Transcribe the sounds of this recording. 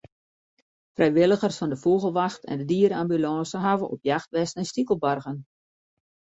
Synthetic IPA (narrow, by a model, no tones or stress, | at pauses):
frʔɛjʋɪlˠəɣərsfɑndəfuɣəlˠʋaxtɛ̰ndədiːəɾəambylɑ̃ːsəɦavəʔɔ̰pjaxtʋɛstɛnstikəl̩ˠbarɣən